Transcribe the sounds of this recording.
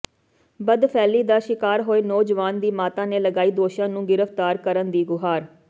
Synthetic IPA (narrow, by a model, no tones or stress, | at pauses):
bəd̪pʰɛːliːd̪aːʃɪkaːɾɦoːeːnɔːd͡ʒʋaːnd̪iːmaːt̪ãːneːləɡaːiːd̪oːʃãːnũːɡɪɾəft̪aːɾkəɾənd̪iːɡʊɦaːɾ